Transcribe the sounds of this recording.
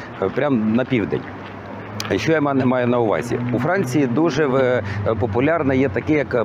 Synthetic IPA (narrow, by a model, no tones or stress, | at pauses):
pɾʲamnɐpʲiwd̪ɛ̰nʲ | ʃt͡ʃɔjamɛnɛmɑjʊnɐʊʋɑ̰zʲḭufɾɑnʲt͡sʲijid̪uʒɛpɔpʊlʲɑrnɛjɛt̪ɐkɪjɐk